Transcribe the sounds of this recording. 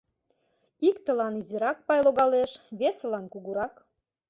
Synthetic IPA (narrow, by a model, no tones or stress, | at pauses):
ikt̪ə̆lɑnizeɾɑk̚pɑjloɣɑleʃβeselɑnkuɣuɾɑk